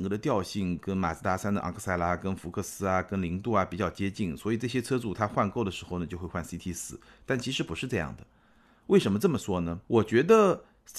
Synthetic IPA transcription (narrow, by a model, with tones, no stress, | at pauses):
ŋkɤ˧˩d̪ə˧t̪jɑ˥˧ʊɕi˥˩ŋkə˥nma̰˨˩s̩˥t̪a˥sa˥nd̪ə̰˧ʔɑ̰˧˥ŋkʰɤ˥˧sa˥ɪla˥kə˥nfu˧˥kʰɤ˥˩sɹ̩˥ɐ˨kə˥nli˧˥ŋt̪u˥˩ɐ˩pi˨˩t͡ɕjɑ˥˩ʊt͡ɕjɛ˥t͡ɕi˥˩nswɔ˧˥i˨˩ʈ͡ʂɤ˥˩ɕjɛ˥t͡sʰɤ˥t͡su˥˩t̪ʰa˥xwa˥˧nko˥˩ʊd̪ə˩ʂɻ̩˧˥xo˥˧ʊnə˩t͡ɕjo˥˧ʊxwe˥˧ɪxwa˥˩nsi˥t̪ʰi˥sɹ̩˥˩ | t̪a˥˩nt͡ɕʰi˧˥ʂɻ̩˧˥pu˧˥ʂɻ̩˥˧ʈ͡ʂɤ˥˧jɑ̰˥˩ŋd̪ə˩ | we˥˩ɪʂə˧˥nmə˧ʈ͡ʂɤ˥˩mə˩ʂwɔ˥nə˨wɔ˨˩t͡ɕɥɛ˧˥d̪ə˧